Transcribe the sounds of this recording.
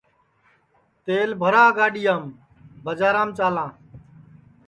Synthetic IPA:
t̪eːlbʱəɾaːɡaːɗijãːm | bəd͡ʒaːɾãːmt͡ʃaːlãː

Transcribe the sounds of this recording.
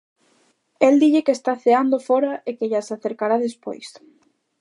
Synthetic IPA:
eld̪iʎekeːst̪aθeand̪ofɔɾaʔekeʎasaθeɾkaɾaðespo̰js

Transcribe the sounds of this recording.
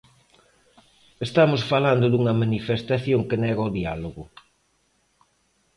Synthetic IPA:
est̪amosfaland̪ʊd̪uŋɐmanifest̪aθjoŋkenɛɣaðialoɣʊ

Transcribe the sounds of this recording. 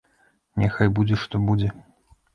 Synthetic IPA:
nʲɛxɐjbud͡zʲɛʂt̪ɔbud͡zʲɛ

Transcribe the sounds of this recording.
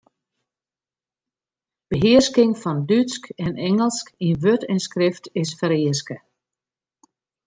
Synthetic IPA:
b̥əɦɪərskɪŋfɔndytskɛnʔɛŋəlˠskinʋøtɛnskrɪftɪsfəɾɪəskə

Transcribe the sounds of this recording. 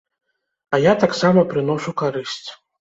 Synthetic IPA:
ɐjat̪aksamɐpɾɨnɔʂukaɾɨsʲt͡sʲ

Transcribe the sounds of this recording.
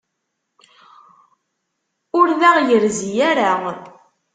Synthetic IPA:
ʊɾðæʁjəɾzijæɾa

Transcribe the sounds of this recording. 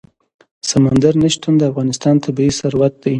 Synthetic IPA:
samand̪aɾnaʃt̪and̪əafɣɑnɪst̪ɑnt̪ʰabiisaɾwat̪̚d̪aj

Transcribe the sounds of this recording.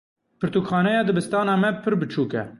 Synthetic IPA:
pʰɨɾt̪uːkxɑːnɛjɑːd̪ɨbɨst̪ɑːnɑːmɛpʰɨɾbɨt͡ʃʰuːkɛ̰

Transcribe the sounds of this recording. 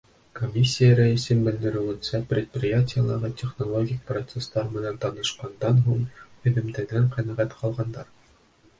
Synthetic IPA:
komʲːisʲːijəɾæisɘmbɘ̆ld̪ɘ̆ɾɘ̆wɘ̆nsæprʲɪt̪̚prʲɪjatʲɪjəlˠɑɾʁɤtʲeχnolˠoɡʲɪkprot̪sest̪ɑɾmɘ̆nænt̪ɑnɤ̆ʃqɑnd̪ɑnɦuɴɵ̆ðɘ̆md̪æɡæɴqæ̆næʁæt̪qʰɒlˠʁɑnd̪ɑɾ

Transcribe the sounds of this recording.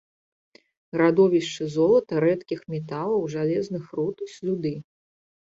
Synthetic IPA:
ɾad̪ɔvʲiʂt͡ʂɨzɔlˠɐt̪ɐɾɛt̪kʲixmʲɛt̪alˠɐwʐalʲɛznɨxrut̪usʲlʲud̪ɨ

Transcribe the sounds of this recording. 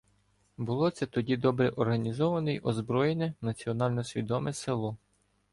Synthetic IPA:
bʊlˠɔt̪sɛt̪ɔdʲid̪ɔbɾɛʔɔrɦɐnʲizɔʋɐnɪjɔzbɾɔjenʲɛnɐt͡sʲiɔnɑlʲnɔsʲʋʲid̪ɔmɛsɪlˠɔ

